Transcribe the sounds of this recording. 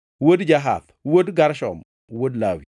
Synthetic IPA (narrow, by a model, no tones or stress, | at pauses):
wodd͡ʒaɦa̰θ | wodɡaɾʃɔ̰m | wodlawḭ